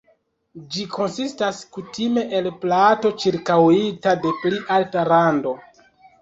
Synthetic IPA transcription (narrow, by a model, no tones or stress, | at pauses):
d͡ʒikʰo̞nsistaskutime̞ʔelplato̞t͡ʃiɾkawitade̞pliʔaltalando̞